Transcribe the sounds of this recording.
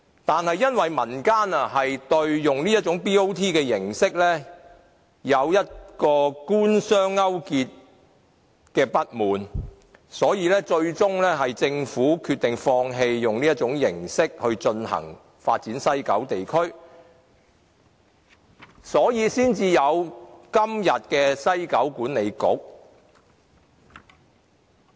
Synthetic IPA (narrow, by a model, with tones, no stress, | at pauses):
t̪aː˨nhɐ˨jːɐ˥nwɐ˨jmɐ˨˩nkaː˥nɐ˨ɦɐ˨jt̪ɵ˧ɥjʊ˨ŋniː˥jɐ˥t̚t͡ʃʊ˨˥ŋpiː˥o˥wt̪ʰiː˥kɛː˧jɪ˨˩ŋsɪ˥k̚lɛː˥ | jɐ˨˧wjɐ˥t̚kɔː˧kuː˥nsœː˥ŋːɐ˥wkiː˧t̚ | kɛː˧pɐ˥t̚muː˨˩n | sɔː˨˥jiː˨˧lɛː˥t͡ʃɵ˧ɥt͡sʊ˥ŋlɛː˥ɦɐ˨jt͡sɪ˧ŋfuː˨˥kʰy˧t̪ɪ˨ŋfɔː˧ŋɦe˧jːʊ˨˩ŋniː˥ɐ˥t̚t͡sʊ˨˥ŋjɪ˨˩ŋsɪ˥k̚hɵ˧ɥt͡ʃɵ˧nhɐ̰˨˩ŋ | faː˧t̚t͡siː˨˥nsɐ˥jkɐ˨˥wt̪e˨jkʰɵ˥ɥ | sɔː˨˥jiː˨˧siː˥nt͡siː˧jɐ˨˧wkɐ˥mjɐ˨t̚kɛː˧sɐ˥jkɐ˨˥wkuː˨˥nːe˨˧jkʊ˨˥k̚